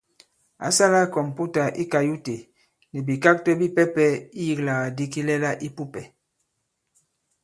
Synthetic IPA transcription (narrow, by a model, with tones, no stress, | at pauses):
a̰˨sa˦la˦kɔ˨m˨pu˦ta˨ʔi˦ka˨ju˦te˨ | ni˨bi˨ka˦k̚tɔ˦bi˦pɛ˦pɛ˦i˦ji˦kla˨a˨di˦ki˦lɛ˦la˦ʔi˦pu˦pɛ˨